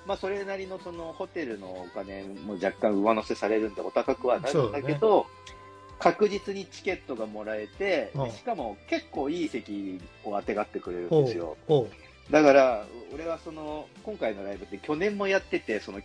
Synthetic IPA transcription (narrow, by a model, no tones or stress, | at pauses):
maso̞ɾe̞naɾʲino̞so̞no̞ho̞t̪e̞ɾɯ̟no̞ːkane̞mo̞d͡ʑakːãɰ̃ɯ̟mano̞se̞saɾe̞ɾɯ̟̃nd̪eo̞t̪akakɯ̟βanaɾɯ̃nd̪ake̞d̪o̞ | kakɯ̟ʑit͡sɨɲ̟it͡ɕi̥kʲe̞t̪ːo̞ɡamo̞ɾae̞t̪e̞d̪eɕi̥kamo̞ke̞kːo̞ːiːse̞kʲio̞at̪e̞ɡat̪ːe̞kɯ̟ɾe̞ɾɯ̟̃e̞sɨjo̞̰ | d̪akaɾao̞ɾe̞β̞aso̞no̞kõ̞ŋkaino̞ɾaibɯ̟t̪ːekʲo̞nẽ̞mːo̞jat̪ːe̞t̪e̞so̞no̞